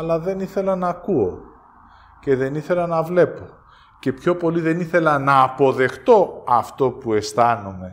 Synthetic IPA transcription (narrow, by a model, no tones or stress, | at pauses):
ɐlɐðe̞niθe̞lɐnɐkuo̞ | ce̞ðe̞niθe̞lɐnɐvle̞po̞ | ce̞pço̞po̞liðe̞niθe̞lɐnɐːpo̞ðe̞xt̪o̞ɐft̪o̞pue̞st̪ɐnome̞